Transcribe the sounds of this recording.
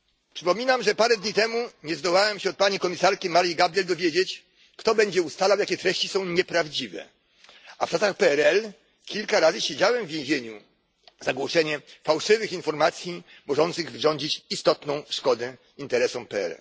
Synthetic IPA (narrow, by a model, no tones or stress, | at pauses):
pʂɘpɔmʲinamʐɛpaɾɛd̪ɲit̪ɛmuɲɛzd̪ɔwawɛmɕɛɔt̪̚paɲikɔmʲisaɾkʲimaɾiɡabɾjɛld̪ɔvʲjed͡ʑet͡ɕ | kt̪ɔbɛɲd͡ʑɛust̪alawjakʲɛt̪ɾɛɕt͡ɕisɔ̃w̃ɲɛpɾavd͡ʑivɛ̰ | aft͡ʂasaxpɛɛɾɛl | kʲilkaɾazɘɕed͡ʑawɛmvʲːjẽʑeɲu | zaɡwɔʂɛɲɛfawʂɘvɘxinfɔɾmat̪sʲji | mɔʐɔnt̪sɘɣvʐɔɲd͡ʑit͡ɕist̪ɔt̪nɔ̃w̃ʂkɔd̪ɛ | int̪ɛɾɛsɔmpɛɛ̰ɾɛ̰l